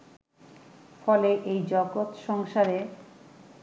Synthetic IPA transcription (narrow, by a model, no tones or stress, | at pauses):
fɔleʔejd͡ʑɔɡot̪ʃɔŋʃaɾe